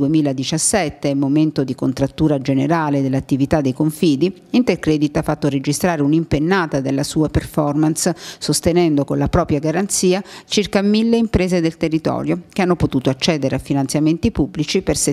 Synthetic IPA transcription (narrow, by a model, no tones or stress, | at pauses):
uemiːlad̪it͡ʃasːɛt̪ːemːoment̪od̪iko̰nt̪ɾat̪ːuːɾad͡ʒeneɾaːled̪elːat̪ːivit̪ad̪ːejkoɱfiːd̪i | int̪erkɾɛːd̪it̪afːat̪ːoɾed͡ʒist̪ɾaːɾeunimpenːaːt̪ad̪elːasuːaperfɔrmanssost̪enɛnd̪okonlapɾɔːpɾjaɡaɾant̪siːat͡ʃirkamilːeimpɾeːzed̪elt̪erːit̪ɔ̰ːɾjokeanːopot̪uːt̪oat͡ʃːɛːd̪eɾeafːinant̪sjament̪ipubːlit͡ʃiperse